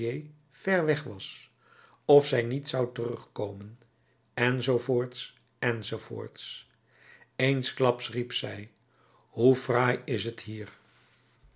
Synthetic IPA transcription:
ej | v̥ɛɹʋɛχʋɑs | ɔfsɛjnitsɑwtərɵχkowmən | ɛnzowvoːɹts | ɛnzowvo̰ːɹts | ejnsklɑpsripsɛj | ɦuvraːjɪsəthiːɹ

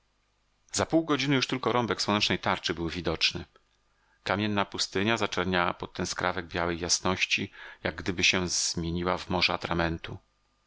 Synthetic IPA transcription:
z̥apuwɡɔd͡ʑinɘjuʂt̪ɘlkɔɾɔmbɛkswɔnɛt͡ʂnɛjt̪aɾt͡ʂɘbɘwvʲid̪ɔt͡ʂnɘ | kamʲjɛnːapust̪ɘɲazat͡ʂɛɾɲawa̰pɔt̪ːɛnskɾavɛɡ̚bjawɛjːasnɔɕt͡ɕijaɡ̚ːd̪ɘbɘɕɛzmʲjeɲiwavmɔʐɛat̪ɾamɛnt̪u

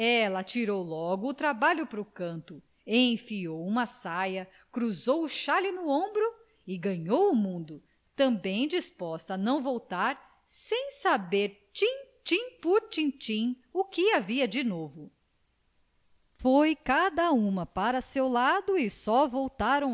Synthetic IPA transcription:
ɛlɐt͡ʃiɾowlɔɡʊːt̪ɾabaʎʊpɾʊkɐ̃nt̪ʊ | ẽj̃fiowũmɐsajɐ | kɾuzowuʃalɪnʊõbɾʊ | ɪɡɐ̃ɲowʊmũnd̪ʊ | t̪ɐ̃bẽj̃d͡ʒispɔst̪ɐnɐ̃w̃vowt̪aɾ | sẽj̃sabeɾ | t͡ʃĩt͡ʃĩpuɾt͡ʃĩt͡ʃĩ | ukɪaviɐd͡ʒɪnovʊ | fojkad̪ɐũmɐpaɾɐsewlad̪ʊɪsɔvowt̪aɾɐ̃

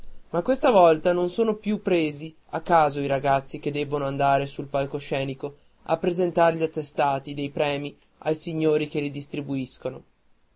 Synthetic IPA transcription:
makːwest̪avɔlt̪anonsoːnopjupːɾeːzi | akːaːzoiɾaɡat̪sːik̟ed̪ːɛbːonoand̪aːɾesulpalkoʃɛːniko | a̰pːɾezent̪aɾʎiat̪ːest̪aːt̪id̪ejpɾɛːmi | ajsiɲːoːɾik̟elid̪ist̪ɾibuiskono

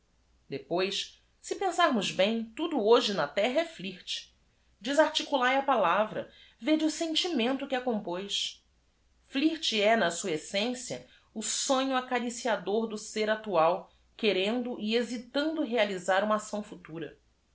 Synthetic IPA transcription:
d̪epojs | sɪpẽsaɾmʊʒbẽj̃t̪ud̪ʊoʒɪnɐt̪ɛɦɐɛfliht͡ʃɪ̥ | d͡ʒizaɾt͡ʃikulajɐpalavɾɐ̰ | ved͡ʒʊsẽnt͡ʃimẽnt̪ʊkɪɐkõmpojʃ | fliɾt͡ʃɪɛnɐsuɐesẽsjɐ̰ | ʊsõɲʊakaɾisiad̪oɾd̪ʊseɾat̪uaw | keɾẽnd̪ʊʔiezit̪ɐ̃nd̪ʊɦealizaɾũmɐasɐ̃w̃fut̪uɾɐ̰

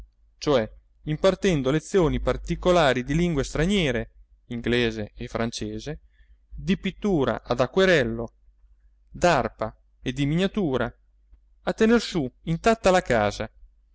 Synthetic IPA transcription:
t͡ʃoɛ | impart̪ɛnd̪olet̪sːjoːnipart̪ikolaːɾid̪iliŋɡwest̪ɾaɲjɛːɾe | iŋɡleːzeːfɾant͡ʃeːze | d̪ipit̪ːuːɾa̰ʔad̪akːweɾɛlːo | d̪arpa | ed̪imiɲat̪uːɾa | at̪ːenersuint̪at̪ːalakaːza

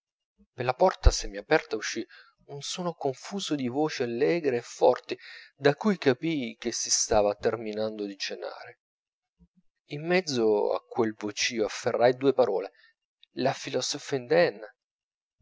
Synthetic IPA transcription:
pelːapɔrt̪asemːiapɛrt̪auʃːi | unsoːnokoɱfuːzod̪ivoːt͡ʃialːɛːɡɾeːfːɔrt̪id̪akujkapik̟esːist̪aːvat̪erminand̪od̪it͡ʃena̰ːɾe | imːɛd̪zːoa̰kːwelvot͡ʃiːoafːerːajd̪uːepaɾɔːle | lafilɔsɔfaind̪ɛnː

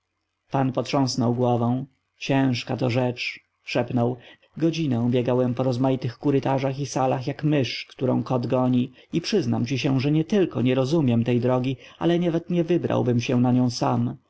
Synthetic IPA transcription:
panpɔtʂɔ̃w̃snɔwɡwɔvɔ̃w̃ | t͡ɕɛ̃w̃ʂkat̪ɔʐɛt͡ʂ | ʂɛpnɔw | ɡɔd͡ʑinɛ̃bʲjɛɡawɛmpɔɾɔzmajit̪ɘxkuɾɘt̪aʐaxisalaxjakmɘʂkt̪uɾɔ̰̃w̃kɔd̪ɡɔɲi | ipʂɘznamt͡ɕiɕɛʐɛɲɛt̪ɘlkɔɲɛɾɔzumʲjɛmt̪ɛjd̪ɾɔɡʲia̰lɛɲɛvɛt̪ɲɛvɘbɾa̰wbɘmɕɛ̃naɲɔ̃w̃sam

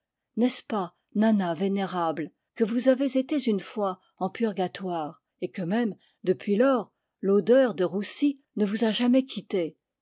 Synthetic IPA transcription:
nɛspa | nanaveneʁabl | kəvuzavezet̪ezynfwa | ɑ̃pyʁɡat̪waːʁ | ekəmɛm | d̪əpɥilɔːʁ | lod̪œʁd̪əʁusi | nəvuzaʒamɛkʲʰit̪e

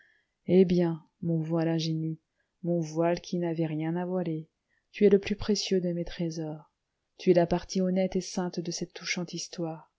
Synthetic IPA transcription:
ebjɛ̃ | mɔ̃vwalɛ̃ʒeni | mɔ̃vwalkʲʰinavɛʁjɛ̃navwale | t̪yɛləplypχesjød̪əmet̪χezɔʁ | t̪yɛlapaʁt̪iɔnɛt̪esɛ̃t̪d̪əsɛt̪ːuʃɑ̃t̪ist̪waːʁ

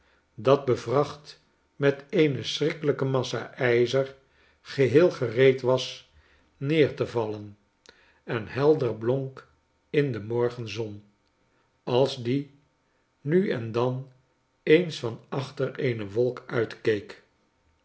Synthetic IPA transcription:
dɑd̚bəvrɑχt | mɛtejnəsrɪkələkəmɑsa̰ʔɛjzər | χəɦeːlˠχərejtʋɑs | neːɹtəvɑlən | ɛnhɛlˠdəɹbloŋk | ɪndəmɔɹχənzɔn | ɑlˠzdi | nyɛ̰ndɑn | ejnsfɑnɑχtəɹejnəʋɔlˠkœɥtkejk

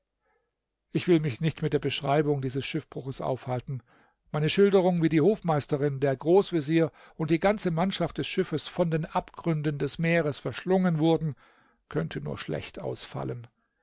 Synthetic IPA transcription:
ʔɪçv̥ɪlmɪçnɪçtmɪt̚d̥eːɐbəʃʁ̥aɪbʊŋdiːzəsʃɪfb̥ʁʊxəsʔa̰ʊfhaltn̩ | maɪnəʃɪldəʁ̞ʊŋviːdiːhoːfmaɪstəʁɪndeːɐɡʁoːsv̥eziːɐ | ʊntd̥iːɡant͡səmanʃaft̚d̥ɛsʃɪfəsfɔndeːnʔapɡ̥ʁʏndəndɛsmeːʁəsfɛɐʃlʊŋənvʊɐdn̩ | kʰœntʰənṵːɐʃlɛ̰çtʔa̰ʊsfa̰lən

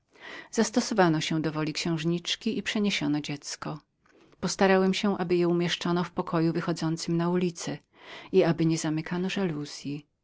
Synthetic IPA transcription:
z̥ast̪ɔsɔvanɔɕɛ̃d̪ɔvɔlʲikɕɛ̃w̃ʐɲit͡ʂkʲiʔipʂɛɲeɕɔnɔd͡ʑɛt̪skɔ | pɔst̪aɾawɛmɕɛʔabɘjɛumʲjɛʂt͡ʂɔnɔfpɔkʰɔjuvɘxɔd̪zɔnt̪sɘmnaulʲit̪sɛ | iabɘɲɛzamɘkʰanɔʐaluz̥ʲji

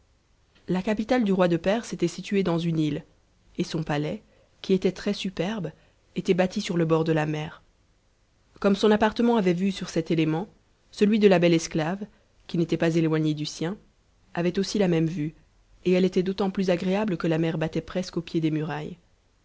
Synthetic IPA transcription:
lakapit̪ald̪yʁwad̪əpɛʁset̪ɛsit̪ɥyed̪ɑ̃zynil | esɔ̃palɛ | kʲiet̪ɛt̪χɛsypɛʁb | et̪ɛbat̪isyʁləbɔʁd̪əlamɛːʁ | kɔmsɔ̃napaʁt̪əmɑ̃avɛvysyʁsɛt̪elemɑ̃ | səlɥid̪əlabɛlɛsklav | kʲinet̪ɛpazelwaɲed̪ysjɛ̃ | avɛt̪osilamɛmvy | eɛlet̪ɛd̪ot̪ɑ̃plyzaɡʁeabləkəlamɛʁbat̪ɛpχɛskopjed̪emyʁaj

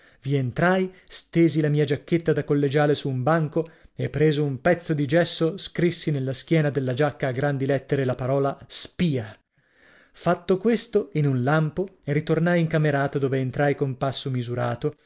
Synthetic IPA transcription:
vient̪ɾajst̪eːzilamiːad͡ʒakːet̪ːad̪akolːed͡ʒaːlesuːmbaŋkoepːɾeːzoumpɛt̪sːod̪id͡ʒɛsːoskɾisːinelːask̟jɛːnad̪elːad͡ʒakːaːɡɾand̪ilɛt̪ːeɾelapaɾɔːlaspiːa | fat̪ːokwest̪oinunlampoerit̪ornajiŋkameɾaːt̪od̪oːveːnt̪ɾajkompasːomizuɾaːt̪o

